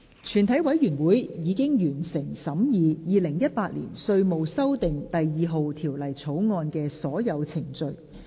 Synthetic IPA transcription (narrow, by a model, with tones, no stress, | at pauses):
t͡ʃʰyː˨˩nt̪ʰɐ˨˥jwɐ˨˥jɥyː˨˩nwuː˨˥jjiː˨˧kɪ˥ŋjyː˨˩nsɪ˨˩ŋsɐ˨˥mjiː˨˧jiː˨˧lɪ˨˩ŋjɐ˥t̚paː˧t̚lḭː˨˩nsɵ˧ɥmo˨˧wsɐ˥wt̪ɪ˨ŋt̪ɐ˨jjiː˨˧ɦo˨˧wt̪ʰiː˨˩wlɐ˨˩jt͡sʰo˨˥wŋɔː˧nkɛː˧sɔː˨˥jɐ˨˧wt͡sʰɪ˨˩ŋt͡sɵ˧ɥ